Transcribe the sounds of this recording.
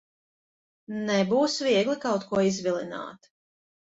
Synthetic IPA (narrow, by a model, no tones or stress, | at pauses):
nɛbuːsvʲiɛɡlikawt̪kuɔizvʲilˠina̰ːt̪